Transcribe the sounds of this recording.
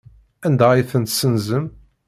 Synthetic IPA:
ænd̪æiθənt̪sənzəm

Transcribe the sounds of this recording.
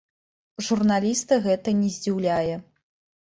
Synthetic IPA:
ʐurnalʲist̪ɐɣɛt̪ɐnʲɛzʲd͡zʲiwlʲajɛ

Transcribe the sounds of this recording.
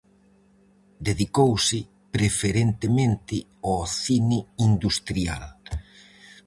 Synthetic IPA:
d̪eðikowsɪ | pɾefeɾent̪emẽnt̪ɪ | ɔθinɪind̪ust̪ɾia̰l

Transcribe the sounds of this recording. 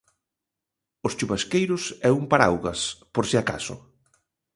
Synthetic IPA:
ost͡ʃuβaskejɾʊsɛuŋpaɾa̰wɣaspoɾseaka̰sʊ̰

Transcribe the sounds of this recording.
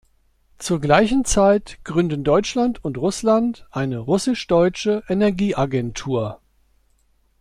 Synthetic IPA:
t͡suːɐɡlaɪçn̩t͡saɪtɡ̥ʁʏndən̩dɔʏt͡ʃlantʰʊntʁʊslantʔaɪnəʁʊsɪʃd̥ɔʏt͡ʃəʔenɛɐɡiːʔaɡɛntʰuːɐ

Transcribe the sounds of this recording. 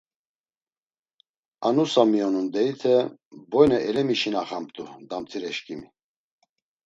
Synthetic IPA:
anusamiɔnund̪ɛit̪ʰɛbɔjnɛʔɛlɛmiʃinaχamp̚t̪ʼud̪amt̪ʰiɾɛʃkʼimi

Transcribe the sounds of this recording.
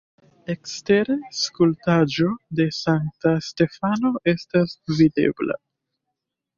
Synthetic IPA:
e̞kste̞ɾeskultad͡ʒo̞de̞saŋ̚taste̞fano̞e̞stasvide̞̰bla̰

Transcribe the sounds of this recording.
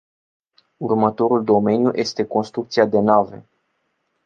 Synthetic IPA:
urmət̪o̞ɾuld̪o̞me̞njujʔe̞st̪e̞ko̞nst̪ɾukt̪siad̪e̞nave̞̰

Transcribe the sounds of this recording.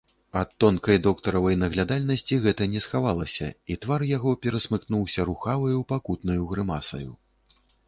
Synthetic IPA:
ɐt̪ːɔnkɐjd̪ɔkt̪ɐɾɐvɐjnɐɣlʲad̪alʲnɐsʲt͡sʲiɣɛt̪ɐnʲɛsxavalˠɐsʲɐ̰it̪varjaɣɔpʲɛɾɐsmɨknuwsʲɐɾuxavɨjupakut̪nɐjuɣɾɨmasɐ̰jṵ

